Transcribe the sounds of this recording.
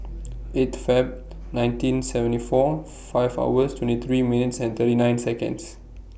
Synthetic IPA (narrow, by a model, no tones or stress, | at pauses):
etfɛb̚ | nãj̃ntĩnsɛvə̃ntifɔ | faɪva̰wəstʰwɛ̃ntit̪ʰɹiminitsɛ̃nt̪əɾinãj̃nsɛkə̰̃ns